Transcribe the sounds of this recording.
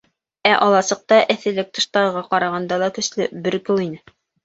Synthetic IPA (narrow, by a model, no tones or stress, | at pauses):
æʔɒlˠɑsɤ̆q̚t̪ɑʔɘ̆θɘ̆lɘk̚t̪ɤ̆ʃt̪ɑɾɤ̆ʁɑqɑɾɑʁɑnd̪ɑlˠɑkɵ̆slɘbɘɾkɘ̆lˠinɘ